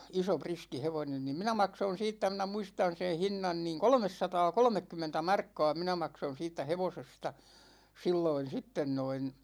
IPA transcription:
iso priski heʋonen nim minæ mɑkson̞ siːtːæ minæ muistɑn̞ sen̞ hinːɑn niːŋ kolŏmesːɑtɑːkolŏmekːymːentæ mɑrkːɑ̝ː minæ mɑkson̞ siːtːæ heʋosestɑ silːoin̞ sitːen noin

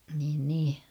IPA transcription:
niːn niː

